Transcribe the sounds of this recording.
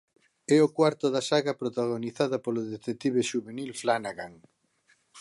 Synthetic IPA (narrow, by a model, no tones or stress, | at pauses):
ɛokwaɾt̪oðasaɣɐpɾot̪aɣoniθaðɐpoloðet̪ek̚t̪iβeʃuβenilflanaɣaŋ